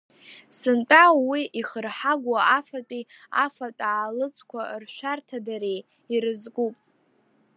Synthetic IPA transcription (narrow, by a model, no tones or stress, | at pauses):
sɨntʼawiʔiχərħaɡʷaafat͡pʼi | a̰fat͡pʼaːlɨt͡sʼkʷʰarʃʷartʰadaɾej | iɾɨzɡupʼ